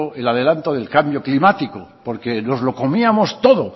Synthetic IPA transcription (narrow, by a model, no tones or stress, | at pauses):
oelaðe̞lant̪oðe̞lkambjo̞klimat̪ikopo̞ɾkeno̞zlo̞ko̞miamo̞st̪o̞ðo̞